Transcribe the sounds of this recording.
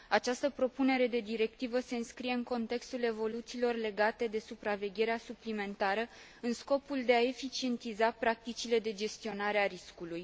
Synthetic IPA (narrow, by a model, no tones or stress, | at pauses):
at͡ʃast̪əpɾo̞pune̞ɾe̞d̪e̞d̪iɾe̞k̚t̪ivəse̞ɨnskɾije̞ɨŋko̞nt̪e̞kst̪ule̞vo̞lut̪siːlo̞rle̞ɡat̪e̞d̪e̞supɾave̞ɡʲeɾeasuplime̞nt̪aɾə | ɨnsko̞puld̪e̞ae̞fit͡ʃie̞nt̪izapɾak̚t̪it͡ʃile̞d̪e̞d͡ʒe̞st̪io̞naɾeaɾiskuluj